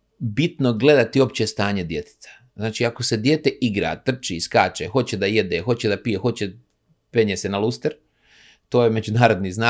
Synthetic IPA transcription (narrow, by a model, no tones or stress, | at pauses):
bit̪noɡle̞d̪at̪io̞pt͡ɕest̪aːɲe̞d̪je̞t̪e̥t̪ḁ | znaːt͡ʃiːakose̞d̪jeːt̪e̞ʔiɡɾa̰t̪r̩t͡ʃiskaːt͡ʃexo̞t͡ɕed̪aje̞d̪eːxo̞t͡ɕe̞d̪apijexo̞t͡ɕe̞ | peɲesenalˠust̪eɾ | t̪o̞ːjeme̞d͡ʒunaːɾo̞d̪nizna